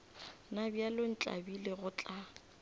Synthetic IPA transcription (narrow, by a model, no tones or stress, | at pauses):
nabjalon̩t͡ɬʼa̰bileɣʊt͡ɬʼa